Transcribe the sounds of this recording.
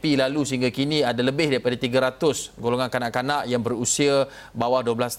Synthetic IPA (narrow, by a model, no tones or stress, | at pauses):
pilalusəɦiŋɡakiniadaləbɪhdaɾipadat̪iɡaɾat̪ʊsɡoloŋankanaʔkanaʔjaŋbərusia | bawahduəblas